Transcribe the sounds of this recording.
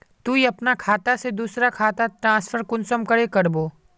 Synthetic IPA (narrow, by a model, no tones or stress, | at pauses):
t̪uiɐpnakʰaːt̪ased̪uːsɾakʰaːt̪at̪ɾãːspʰəɾkʊnsəmkɐɾekɐɾboː